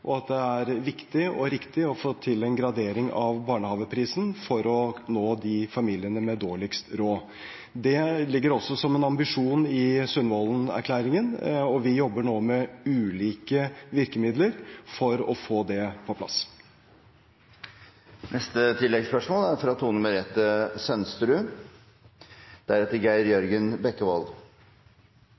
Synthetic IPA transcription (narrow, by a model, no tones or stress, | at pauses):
ʔɔɑt̪̚d̪ɛæɾʋɪkt̪ɪɔ̰ɾɪkt̪ɪɔfoːt̪ʰɪlɛnɡɾɑd̪eːɾɪŋɑʋbɑːɳəhɑːʋəpʰɾiːsnfɔɾɔnoːd̪ɪfɑmiːlɪənəmɛd̪oːɭɪkst̪ɾoː | d̪ɛlɪɡːəɾɔsːɔsɔmɛnɑmbɪʂuːnɪsʉnmɔːlənæ̰ɾkʰlæːɾɪŋənɔʋɪjɔbːəɳoːmɛʉːliːkəʋɪɾkəmɪd̪ləɾfɔɾɔfoːd̪ɛpʰɔpʰlɑ̰s | nɛst̪ət̪ʰɪlːɛɡspœʂmoːlæɾfɾɑt̪ʰuːnʉməɾɛt̪ːəsœnst̪ɾʉː | d̪̥æɾɛt̪əɾɡæɪɾjœɾɡənbɛkːəʋɔ̰l